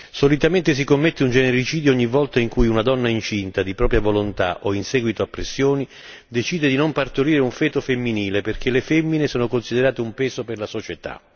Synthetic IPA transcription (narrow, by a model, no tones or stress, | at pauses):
solit̪ament̪es̬ikomːet̪ːeund͡ʒɛneɾit͡ʃiːd̪joɔɲːivːɔlt̪aiŋkujunad̪ɔnːaint͡ʃint̪ad̪ipɾɔːpɾjavolont̪a̰ʔoinsɛːɡwit̪oapːɾesːjoːni | d̪et͡ʃiːd̪ed̪inompart̪oɾiːɾeuɱfɛːt̪ofemːiniːleperk̟ʰelefɛmːinesoːnokonsid̪eɾaːt̪eumpɛːzoperlasot͡ʃet̪a̰